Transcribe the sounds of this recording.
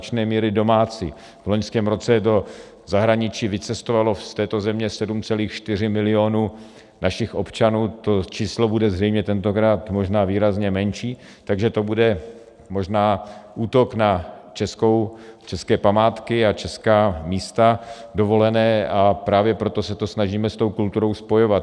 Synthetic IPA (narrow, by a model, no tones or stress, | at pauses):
t͡ʃnɛːmiːɾɪdo̞maːt͡sḭː | vlo̞ɲskɛːmɾo̞t͡sɛdo̞ | zaɦɾaɲɪt͡ʃiːvɪt͡sɛst̪ovalo̞st̪ɛːt̪o̞zɛmɲɛsɛdumt͡sɛliːxʃt̪ɪr̝ɪmɪlɪo̞nuː | naʃɪxʔo̞pt͡ʃanuːt̪o̞t͡ʃiːslo̞budɛzrɛjmɲɛt̪ɛnt̪okɾaːt̪mo̞ʒnaːviːɾazɲɛmɛnt͡ʃiː | t̪aɡʒɛt̪o̞budɛ | mo̞ʒnaːʔuːt̪o̞knat͡ʃɛsko̞wt͡ʃɛskɛːpamaːt̪kɪat͡ʃɛskaːmiːst̪adovo̞lɛnɛːapɾaːvjɛpɾo̞t̪o̞sɛt̪o̞snaʒiːmɛst̪o̞wkult̪uɾo̞wspo̞jo̞vat̪